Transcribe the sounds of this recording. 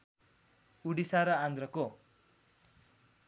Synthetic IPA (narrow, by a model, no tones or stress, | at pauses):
uɽisaɾʌand̪ɾʌko